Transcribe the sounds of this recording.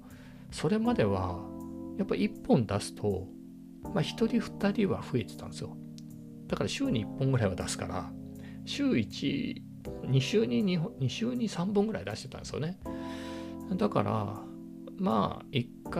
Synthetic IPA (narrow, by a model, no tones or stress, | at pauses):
so̞ɾe̞mad̪e̞βa | japːaiipːõ̞nd̪asɨ̥t̪ʰo̞ | maçi̥t̪o̞ɾʲiɸɯ̟̥t̪aɾʲiβaɸɯ̟e̞t̪e̞̥t̪ã̰nd̪esɨjo | d̪̥akaɾaɕɨːɲ̟iipːõ̞ŋɡɯ̟ɾaiβad̪asɨ̥ka̰ɾa̰ | ɕɨːit͡ɕḭ | oɲ̟iɕɨːɲ̟iɲiɦoɲiɕɨːɲ̟isãmbɯ̃ŋɡɯɾa̰id̪aɕit̪et̪ã̰nsɨjo̰ne̞ | d̪aka̰ɾʔa̰ | ma̰ikːa